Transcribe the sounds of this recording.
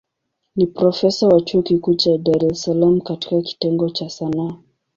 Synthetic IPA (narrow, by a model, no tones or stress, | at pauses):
nipɾɔfɛsawat͡ʃuɔkikut͡ʃadaɾɛsalam̩kati̥kaki̥tɛŋɡɔt͡ʃasanaː